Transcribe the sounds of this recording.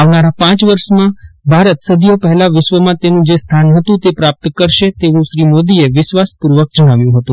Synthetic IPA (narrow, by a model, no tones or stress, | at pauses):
aʋnaɾapãt͡ʃʋəɾʃmãbʱaɾət̪səd̪ijopəɦɛlaʋɪʃʋəmãt̪enũd͡ʒest̪ʰanɦət̪ũt̪epɾap̚t̪kəɾʃet̪eʋũʃɾimod̪ieʋɪʃʋaspuɾʋək̚d͡ʒəɽ̃aʋjũɦət̪ũ